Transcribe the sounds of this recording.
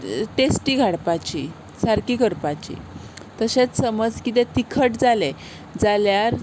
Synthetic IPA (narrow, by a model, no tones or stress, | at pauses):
ʈesʈiɡʱaɽpat͡ɕi | saɾkiːkəɾpat͡ɕḭt̪əɕẽt͡ssəməd͡zkit̪̬ɛ̃t̪ikʰəʈd͡zale | d͡zaljaɾ